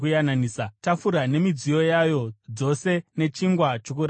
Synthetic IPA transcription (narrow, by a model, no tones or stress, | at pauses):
kujananiːsatafuɾane̞mid͡zijo̞jajo̞d͡zo̞se̞ne̞t͡ʃiŋɡwat͡ʃokuɾ